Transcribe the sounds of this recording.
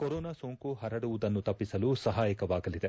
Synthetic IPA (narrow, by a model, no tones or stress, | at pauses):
kɔɾoːnasoːŋkuɦɐɾɐɽuʋud̪ɐnːut̪ɐpːisɐlusɐɦaːjikɐʋaːɡɐlid̪e̞